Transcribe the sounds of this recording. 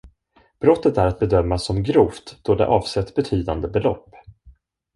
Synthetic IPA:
b̥ɾɔt̪ːət̪æɾat̪̚bɛd̪œmːasɔmɡɾuːft̪d̪̥ɔd̪ɛ̰ʔɑːvsɛt̪ːbɛt̪ʰyːd̪and̪əbɛlɔ̰pː

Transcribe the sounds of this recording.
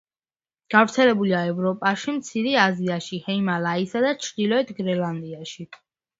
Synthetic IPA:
ɡ̥avɾt̪sʰɛlɛbuliaɛvɾɔpʼaʃimt̪sʰiɾɛaziaʃihɛimalaisad̪at͡ʃʰɾd̪ilɔɛt̪ʰɡɾɛland̪iaʃi

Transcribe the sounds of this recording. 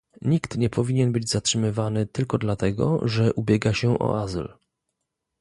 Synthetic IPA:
ɲikt̪ɲɛpʰɔvʲiɲɛnbɘd͡ʑzatʂɘmɘvanɘt̪ɘlkɔd̪lat̪ɛɡɔ̰ʐɛʔubʲjɛɡaɕɛʔɔ̰ʔazl

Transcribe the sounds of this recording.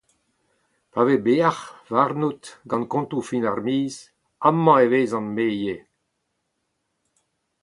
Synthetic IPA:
pavebeaχvaʁnut̪ɡɑ̃nkɔ̃nt̪ufinaʁmiːz | amːɑ̃eveːzɑ̃nmeːje

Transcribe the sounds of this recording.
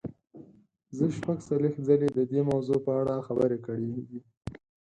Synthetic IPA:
zəʃpaɡsalext̪zaled̪əd̪emawzopəaɽaxabəɾekəɽeɡ̪i

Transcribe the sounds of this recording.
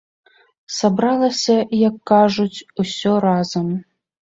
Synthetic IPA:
sabɾalˠɐsʲɐjɐkːaʐut͡sʲusʲɔɾazɐm

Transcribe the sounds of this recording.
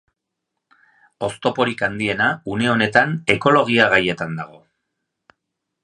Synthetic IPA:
o̞st̪o̞po̞ɾikand̪ie̞naune̞o̞ne̞t̪ane̞ko̞lo̞ɣ̞iaɣaje̞t̪and̪a̰ɣ̞o̞

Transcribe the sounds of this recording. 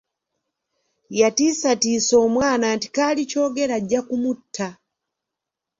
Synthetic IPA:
jatisatisɔmwananti̥kalit͡ʃɔɡɛlaɟakumutʰːa

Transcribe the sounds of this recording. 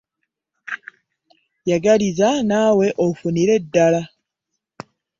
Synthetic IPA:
jaɡalizanaːwe̞ʔofuniɾe̞dːala

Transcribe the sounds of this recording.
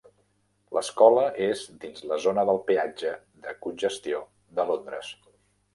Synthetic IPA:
lʔəskɔləʔezd̪inzləzonəðəlˠpiad͡ʒə | ðəkunʲʒəst̪io | ðəlond̪ɾəs

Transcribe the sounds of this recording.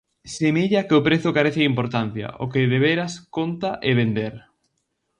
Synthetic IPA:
semiʎakɪʊpɾeθʊkaɾeθɪimpoɾt̪an̟θjɐ̰ʔo̰kɪðeβeɾɐskont̪aʔeβend̪eɾ

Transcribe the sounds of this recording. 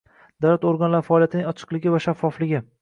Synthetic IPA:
d̪̥awlat̪oɾɡanlaɾfaːlijat̪ɪnɪŋɒt͡ʃʰɨ̥qlɪɡʲɪvaʃafːɒflɪɡʲɪ

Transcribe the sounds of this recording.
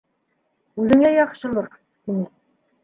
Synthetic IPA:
ʉðɘ̆ŋæjɒqʃɤ̆lˠɤɾ | t̪inɘ

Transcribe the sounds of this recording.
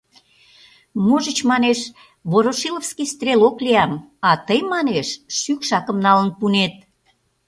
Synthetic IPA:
moʒət͡ɕmɑneʃ | βoɾoʃilofskist̪rʲelokliɑmɑt̪əjmɑneʃʃykʃɑkəmnɑlənpunet̪̚

